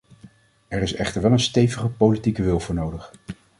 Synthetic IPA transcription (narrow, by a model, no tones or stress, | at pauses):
ɛɹɪsɛχtəɹʋɛlənstejvəχəpowlitikəʋɪlˠvʊːɹnowdəχ